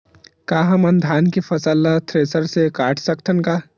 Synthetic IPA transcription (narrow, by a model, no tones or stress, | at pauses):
kaːɦɐmɐnd̪ʱaːnkepʰɐsəlːat̪ʰɾeːsəɾsekaːʈʰsəkt̪ʰənkaː